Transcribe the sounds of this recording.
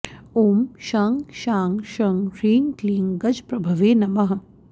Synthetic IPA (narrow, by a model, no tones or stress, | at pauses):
oːmʃaːŋɡʃaːŋʃɐŋɾiːŋkliːŋɡɐd͡ʒpɾɐbʱɐʋeːnɐmɐɦ